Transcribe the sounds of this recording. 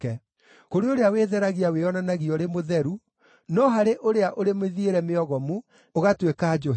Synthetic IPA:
ɛ | koɾeoɾeaweːðɛɾaɣiaweɔnanaɣiɔɾemoðɛɾu | nɔɦaɾeʔoɾeaʔoɾemeðieɾɛmeɔɣɔmu | oɣatwekaːd͡ʒo

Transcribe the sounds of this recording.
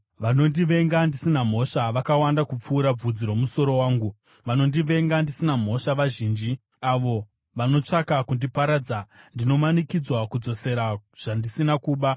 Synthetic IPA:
ʋano̞ndiʋe̞ŋɡandisinam̤o̞ʃaʋakawandakup͡fuːɾab͡vud͡ziɾo̞muso̞ɾo̞waːŋɡu | ʋano̞ndiʋe̞ŋɡandisinam̤o̞ʃaʋaʒiːnd͡ʒi | aʋo̞ | ʋano̞t͡ʂakakundipaɾaːd͡zandino̞manikid͡zwakud͡zo̞se̞ɾaʐ̥andisinakuːɓa

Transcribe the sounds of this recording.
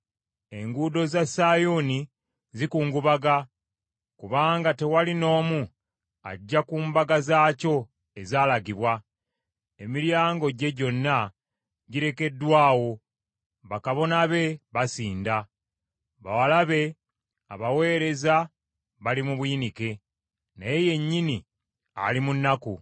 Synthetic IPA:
e̞ŋɡuːdo̞zasajoni | zikuːŋɡuβaɡa | kuβaːŋɡate̞walino̞ːmu | a̰ɟːakuːmbaɡazaːco̞ | e̞zaːlaɡiβwa | e̞miɾjaːŋɡo̞ɟe̞ɟo̞nːa | ɟiɾe̞ke̞dːwaːwo̞ | βakaβo̞naβe̞βasiːnda | βawalaβe̞ | a̰βawe̞ːɾe̞za | βalimuβwinike̞ | najeje̞ɲːini | a̰limunːaku

